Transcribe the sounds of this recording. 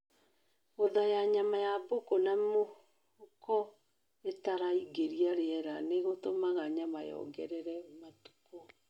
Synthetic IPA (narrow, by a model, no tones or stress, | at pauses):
oðajaɲamajabokonamo | kɔ | etaɾaiɡeɾiaɾeɛɾaneɣotomaɣaɲamajɔ̰ːɡɛɾɛɾɛmatu̥ko